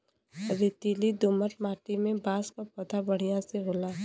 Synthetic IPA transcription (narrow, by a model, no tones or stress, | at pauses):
ɾet̪ilid̪oːmət̪maːʈimẽbaːskapɐt̪abɐɽ̤ijãseɦoːlaː